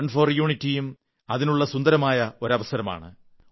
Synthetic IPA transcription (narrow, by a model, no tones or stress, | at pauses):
ɳɖfo̞ːrjuːɳitːijum | ɐðinuɭːɐsund̪ɐɾɐmaːjɐo̞ɾɐʋɐsɐɾɐma̰ːɳɨ